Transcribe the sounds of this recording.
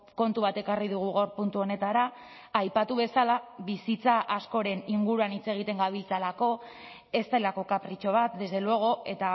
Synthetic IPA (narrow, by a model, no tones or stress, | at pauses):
ko̞nt̪uβ̞at̪e̞kariðuɣ̞uɣoɾpunt̪uo̞ne̞t̪aɾaː | jpat̪uβe̞salaβisit͡saʔasko̞ɾe̞niŋɡuɾuanit͡se̞ɣ̞it̪e̞ŋɡaβilt͡salako̞ | e̞st̪ajlako̞kapɾit͡ʃo̞β̞at̪̚d̪e̞zðe̞lue̞ɣ̞o̞e̞t̪a